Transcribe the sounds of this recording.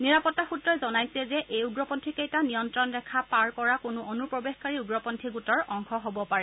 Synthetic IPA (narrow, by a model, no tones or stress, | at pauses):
niɹapɔtːaxutɹɔjzɔnajsɛzɛʔejuɡɹɔpɔntʰikejtanijɔntɹɔndɛkʰapaɹkɔɹakʊnʊʔonupɹɔbexkaɹiuɡɹɔpɔntʰikutɔɹɔŋxɔɦobɔpaɹɛ